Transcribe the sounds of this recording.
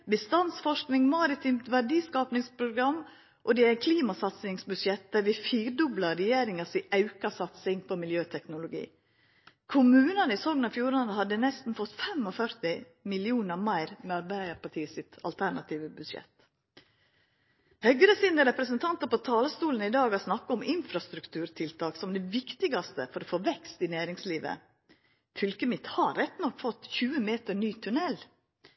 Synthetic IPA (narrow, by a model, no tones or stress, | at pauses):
bəst̪ɑnsfɔʂknɪŋmɑːɾɪt̪ʰiːmt̪ʋæɖiːskɑːpnɪŋspʰɾʊɡɾɑm | ʔɔd̪ɛæɪkʰliːmɑsɑt̪sɪŋsbʉd̪ʃɛt̪̚d̪̥æɾʋɪfiːɾɖʉblɑɾɛjeːɾɪŋɑsiːʔɑʉkɑsɑt̪sɪŋpʰɔmɪljøːt̪ʰɛknʊlʊɡḭː | kʰʊmʉːnənəɪsɔŋənɑfjuːɾɑnəhɑd̪ːənɛst̪n̩fɔt̪ːfɛmɔfœɾt̪ɪ | mɪlɪuːnəɾmæɪɾmɛɑɾbæɪəɾpɑʈʰiːəsɪt̪ɑ̰lt̪ʰæɳɑt̪ʰiːʋəbʉd̪ʃɛ̰t̪ː | hœɡɾəsiːnəɾɛpɾəsənt̪ʰɑnt̪əpɔt̪ʰɑːləst̪uːlən̩ɪd̪ɑːɡɑsnɑkːəɔmɪnfɾɑst̪ɾʉkt̪ʰʉːɾt̪ʰɪlt̪ʰɑːksɔmd̪ɛʋɪkt̪ɪɡɑst̪ə̰fɔɾɔfoːʋɛkst̪ɪnæːɾɪŋsliːʋə̰ | fʏlkəmɪt̪hɑːɛt̪ːnɔkːfɔt̪ːçʉːəmeːt̪əɳyːt̪ʰʉnɛl